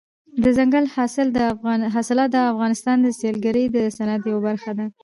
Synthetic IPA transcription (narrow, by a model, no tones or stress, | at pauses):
d̪əzaŋɡalhɑsɪld̪əɦɑsɪlɑt̪̚d̪əafɣɑnɪst̪ɑnd̪əselɡaɾəjd̪əsanat̪jawabaɾxad̪a